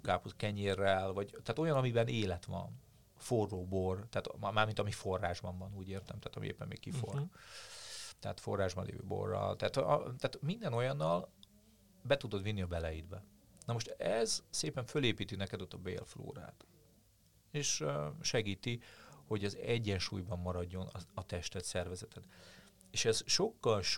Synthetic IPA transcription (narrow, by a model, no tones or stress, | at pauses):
kaːpuskɛɲeːrːɛlvɒɟt̪ɛaːt̪o̞jɒnɒmibɛneːlɛt̪ʋɒ̰n | forːoːbort̪ɛaːt̪ːmaːrmint̪ɒmifo̞rːaːʒbɒɱvɒnuːɟeːrt̪ɛmt̪ɛaːt̪ɒmiḛːpːɛ̰nmḛːkkifo̞rr | t̪ɛa̰t̪fo̞̰rːaːʒbɒnlḛːvø̰ːbo̞̰rːɒ̰lt̪ɛːt̪t̪aːt̪mind̪ɛno̞jɒnːɒl | bɛt̪ud̪o̞t̪vinːiɒbɛlɛjid̪bɛ | nɒmoʃt̪ɛzseːpɛɱfø̞leːpiːt̪inɛkɛd̪ot̪ːɒbḛːlflo̰ːɾa̰ːt̪ | eːʃʃɛɡiːt̪iho̞ɟɒzɛɟːɛnʃuːjbɒmːɒɾɒɟːo̞nɒɒt̪ɛʃt̪ɛt̪sɛrvɛzɛt̪ɛt̪ | eːʃɛzʃo̞kːɒlʃ